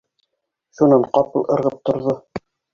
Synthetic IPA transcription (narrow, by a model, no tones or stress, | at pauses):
ʃunɑɴqɑpɤ̆lˠʔɤ̆ɾʁɤp̚t̪ŏɾðo